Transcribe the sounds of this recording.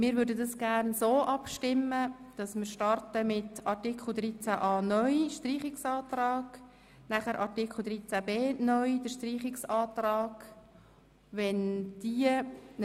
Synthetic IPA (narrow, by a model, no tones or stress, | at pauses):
mɪːɾvʏːɾdədɑsɡ̥æɾnsoːʔɑpʃtɪməd̥ɑsmɪːɾʃtɑrtəmɪtɑɾtikʰl̩d̪ɾiːt͡sæʔɑːnœʏʃtriːχɪksɑːtrɑːɡ̥ | næχəɾʔɑɾtikʰl̩d̪ɾiːt͡sæbeːnœʏd̥əɾʃtriːχɪksɑːtrɑːɡ̥ | ʋɛnd̥iən